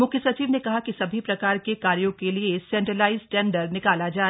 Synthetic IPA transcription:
mʊkʰjəsɐt͡ʃiːʋnekɐɦakisɐbʱipɾɐkaːɾkekaːɾjõkeliesɛ̃ːɳʈɾəlaːɪzʈɛ̃ːɳɖəɾnɪkaːlad͡ʒaː

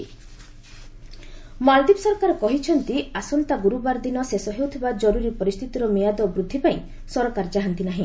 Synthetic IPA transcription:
mald̪ibsɔɾɔkaɾɔkɔɦit͡ʃʰɔnt̪iasɔnt̪aɡuɾubaɾd̪inɔsesɔɦewt̪ʰibad͡ʒɔɾuɾipɔɾist̪ʰit̪iɾɔmijad̪ɔbɾud̪ʱːipaĩ | sɔɾɔkaɾɔd͡ʒaɦant̪inaɦĩ

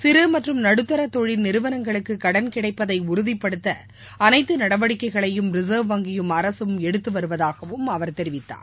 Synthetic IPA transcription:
sɪɾɯmɐʈrɯmnɐɽɯt̪ːɐɾɐt̪ːɔɻɪlnɪɾɯʋɐnɐŋɡɐɭɯkːɯkɐɽɐnkɪɽɐɪpːɐðɐɪʊɾʊðɪpːɐɽɯt̪ːɐ | ɐnɐɪt̪ːɯnɐɽɐʋɐɽɪkːɐɪɣɐɭɐjɯmɾɪzɐːʋʋɐŋɡɪjɯmɐɾɐsɯmɛɽɯt̪ːɯʋɐɾɯʋɐðaːɣɐʋɯmɐʋɐɾt̪ɛɾɪʋɪt̪ːa̰ːn

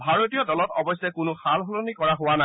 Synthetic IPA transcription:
bʱaɹotijɔdɔlɔtɔ̰bɔjsɛkʊnʊxalɦolonikɔɹaɦʊwana

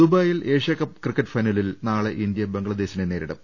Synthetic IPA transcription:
d̪ubɐːjile̞ːʂjɐkɐpkrikːɐʈːfɐjnɐlilnaːɭeʔind̪jɐbeŋɡɐɭɐd̪e̞ːɕinene̞ːɾiɽɐ̰m

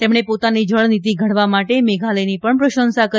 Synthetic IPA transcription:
t̪emɳepot̪anid͡ʒəɭnit̪̬iɡʱəɽʋamaʈemeɡʱaləjnipəɳpɾəʃənsakə

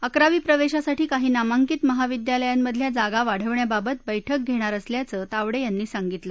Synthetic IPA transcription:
əkɾaʋiːpɾəʋeɕasaʈiːkaɦiːnamaŋkiːt̪məɦaʋid̪jaləjamːəd̪ʱljad͡zaɡaʋaɽ̤əʋɳjababət̪̚bəjʈʰək̚ɡʱeɽ̃aɾəsljat͡sət̪aʋɽejanːiːsaŋɡit̪lə

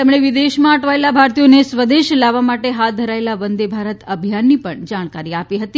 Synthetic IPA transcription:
t̪emɽ̃eʋid̪eʃmãəʈʰʋaelabʱaɾt̪ijonesʋəd̪eʃlaʋamaʈeɦat̪̚d̪ʱəɾaelaʋənd̪ebʱaɾət̪əbʱjanːipəɳd͡ʒaɽ̃kaɾiapiɦət̪i

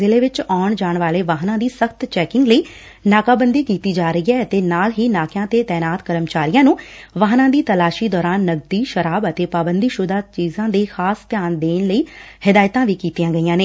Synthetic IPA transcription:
ɪleːʋɪt͡ʃɔːɳd͡ʒaːɳʋaːleːʋaːɦnãːd̪iːsəkt̪t͡ʃɛːkɪ̃ŋɡləiː | naːkaːbənd̪iːkiːt̪iːd͡ʒaːɾəiːɛːət̪eːnaːlɦiːnaːkjãːt̪eːt̪ɛːnaːt̪kəɾəmt͡ʃaːɾijãːnũːʋaːɦnãːd̪iːt̪əlaːʃiːd̪ɔːɾaːnːəɡ̚d̪iːʃəɾaːbət̪eːpaːbənd̪iːʃʊd̪aːt͡ʃiːzãːd̪eːxaːst̪jaːnd̪eːnləiːhɪd̪aːjt̪ãːʋiːkiːt̪ijãːɡəiːãːneː

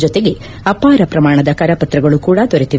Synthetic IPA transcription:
d͡ʒɔt̪eɡe̞ | ɐpaːɾɐpɾɐmaːɳɐd̪ɐkɐːɾɐpɐt̪ɾɐɡɐɭukuːɽɐd̪ɔɾet̪i

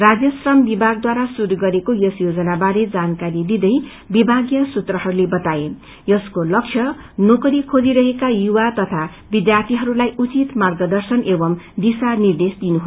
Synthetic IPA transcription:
rad͡zjʌsrʌmbibʱaɡ̚d̪waɾasuɾuɡʌɾekojʌsjod͡zʌnabaɾed͡zankaɾid̪id̪ʌj | bibʱaɡjʌsut̪rʌɦʌɾulebʌt̪ae | jʌskolʌkt͡ʃʰjʌ | nokʌɾikʰod͡ziɾʌɦekajuwat̪ʌt̪ʰa | bid̪jart̪ʰiɦʌɾulajut͡sit̪marɡʌd̪ʌrsʌnebʌmd̪isanird̪esd̪inuɦo

